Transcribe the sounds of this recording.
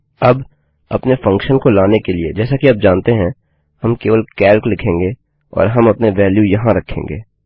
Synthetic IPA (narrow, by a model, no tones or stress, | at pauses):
ɐb | ɐpnefɐ̃ŋkʃənkolaːnekelied͡ʒɛːsakiɐb̚d͡ʒaːnt̪eɦɛ̃ | hɐmkeːʋəlkɛːlklɪkʰẽːŋɡe | ɔ̰ːɾɦɐmɐpneʋɛːljujɐɦãɾɐkʰːḛ̃ːŋɡḛː